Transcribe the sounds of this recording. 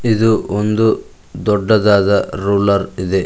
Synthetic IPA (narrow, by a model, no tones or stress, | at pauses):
id̪uond̪u | d̪ɔɖːɐd̪aːd̪ɐɾuːlɐɾid̪e̞